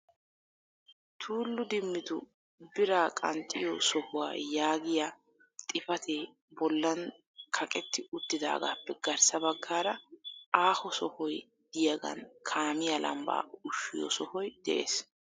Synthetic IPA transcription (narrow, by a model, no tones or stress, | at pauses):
t̪ʰuːlːʊd̪ɪmːɪt̪ʊ | bɪɾaːkʼɐnt̪ʼːɪjɔsɔhʊwa̰ːjaːɡɪja | t̪ʼɪfɐt̪ʰe | bɔlːɐn | kʰɐkʼɛt̪ːɪʊt̪ːɪd̪a̰ːɡa̰ːpːɛɡɐɾsɐbɐɡːaːɾɐaːhɔsɔhɔj | d̪̥ɪjɐɡɐ̰nkʰaːmɪjɐlʔɐ̰mba̰ːʊʃːɪjɔ̰sɔhɔjd̪̥ɛ̰ʔḛːs